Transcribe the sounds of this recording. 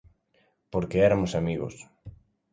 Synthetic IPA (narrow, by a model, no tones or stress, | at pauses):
poɾkeɛɾamʊsamiɣo̰s